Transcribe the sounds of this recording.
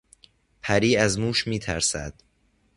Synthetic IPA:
pʰæɾiːæzmuːʃmiːt̪ʰæɾsæ̰d̪̥

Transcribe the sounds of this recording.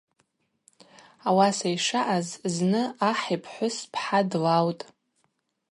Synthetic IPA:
awasajʂaʔazznɨaħipʰħʷʊspʰħadlawtʼ

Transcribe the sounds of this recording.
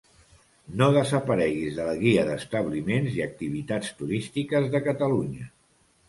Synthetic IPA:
noðəzəpəɾɛɣizðələɣiəðəst̪əβlimenziək̚t̪iβ̞it̪ast̪uɾist̪ikəzðəkət̪əluɲə

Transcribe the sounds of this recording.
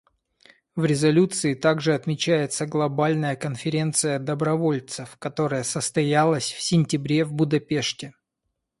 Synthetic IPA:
vɾʲɪzɐlʲut̪sɨɪt̪aɡʐɨɐt̪mʲɪt͡ɕæjɪt̪səɡlˠɐbalʲnəjəkənfʲɪɾʲe̞nt̪sɨjəd̪əbɾɐvo̞lʲt̪sɨfkɐt̪o̞ɾəjəsəst̪ɐjalˠəsʲfsʲɪnʲtʲɪbɾʲevbʊd̪ɐpʲe̞ʂtʲɪ

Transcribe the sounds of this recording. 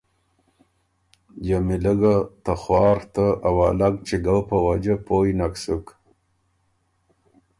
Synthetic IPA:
jamiləɡat̪axwɑːɾt̪aawaːlaɡt͡ʃiɡawpəwad͡ʒapojnaksuk

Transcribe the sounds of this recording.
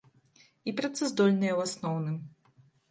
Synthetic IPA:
ipɾat̪sɛzd̪ɔlʲnɨjɐwasnɔwnɨm

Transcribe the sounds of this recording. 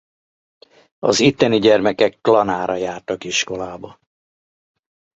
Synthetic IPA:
ɒ̰zit̪ːɛniɟɛrmɛkɛkːlɒnaːɾɒjaːrt̪ɒkiʃko̞laːbɒ

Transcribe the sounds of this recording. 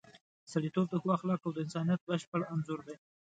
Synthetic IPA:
saɽit̪ob̚d̪əxwɑxlɑkawd̪əɪnsɑnijat̪̚bəʃpəɽanzʊɾd̪e

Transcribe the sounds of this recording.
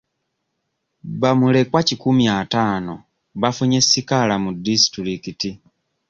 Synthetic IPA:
βamule̞kwacikumiataːno̞ | βafuɲe̞sːikalamudːisi̥tiɾikiti

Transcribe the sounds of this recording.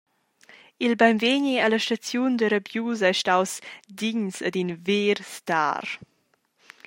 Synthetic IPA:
ilbajmveɲialəʃtat͡sjundəɾəbjuzajʃtawsdiɲsə̰dinveːɾsta̰ːr

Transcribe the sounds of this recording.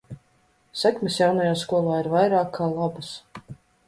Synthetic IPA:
sɛkmʲɛsjawnajaːskuɔlˠaːiɾvajɾaːkʰːaːlˠabas

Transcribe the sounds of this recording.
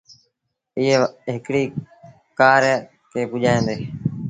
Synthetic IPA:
ɪːeːɦɪkɽiː | kaːɾ | kʰeːpʊʄaːẽːnd̪eː

